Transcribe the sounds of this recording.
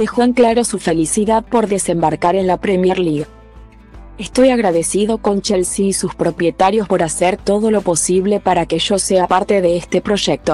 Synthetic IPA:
d̪̥e̞xoeŋklaɾo̞sufe̞lisiðaðpo̞ɾðe̞se̞mbaɾkaɾe̞nlapɾe̞mjeɾliɣ | est̪o̞jaɣɾaðe̞siðo̞kont͡ʃelsiːsuspɾo̞pje̞t̪aɾjo̞spo̞ɾaseɾt̪o̞ðo̞lo̞po̞siβ̞le̞paɾake̞ʒ̥o̞se̞apaɾt̪e̞ðe̞est̪e̞pɾo̞ʒek̚t̪o̞

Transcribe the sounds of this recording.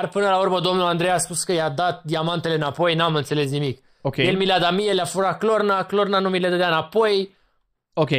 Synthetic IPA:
arpɨnəlaurməd̪o̞mnuland̪ɾe̞jaspuskəjad̪at̪̚d̪iamant̪e̞leɨnapo̞jnamɨnt̪se̞le̞snimik | oejelmilead̪amijeleafuɾaklo̞rnaklo̞rnanumilead̪əd̪eaɨnapo̞j | okʲe

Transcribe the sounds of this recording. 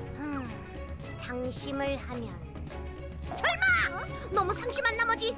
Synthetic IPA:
ɯ | sʰaŋɕʰimɯɭhamjʌn | sʰʌɭma | nʌmusʰaŋɕʰimanːamʌd͡ʑi

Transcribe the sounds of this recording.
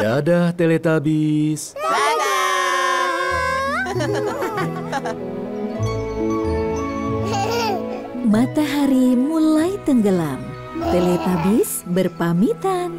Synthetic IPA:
adaht̪elet̪abis | mat̪aɦaɾimulajt̪əŋɡəla̰m | t̪elet̪abis | bərpamit̪an

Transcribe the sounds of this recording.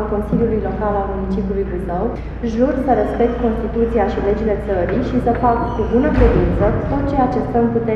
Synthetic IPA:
lko̞nsiljulujlo̞kalalmumit͡ʃipjulujbuzəw | ʒursəɾe̞spe̞k̚t̪̚ko̞nst̪it̪ut̪siaʃile̞d͡ʒile̞t̪səɾiʃisəfakkubunəkɾed̪int̪sət̪o̞t̪̚t͡ʃe̞at͡ʃe̞t̪əmput̪e

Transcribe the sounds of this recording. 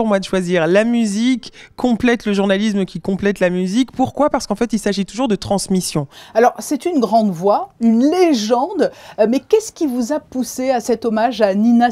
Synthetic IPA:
ʁmwad̪əʃwaziʁlamyzikːɔ̃plɛt̪ləʒuʁnalis̬məkʲikɔ̃plɛt̪lamyzikpuʁkwapaʁsə̥kɑ̃fɛt̪ilsaʒit̪uʒuʁd̪ət̪χɑ̃smisjɔ̃alɔʁsɛt̪ynɡʁɑ̃d̪vwaynleʒɑ̃d̪mɛkʲɛskʲivuzapuseasɛt̪ɔmaʒanina

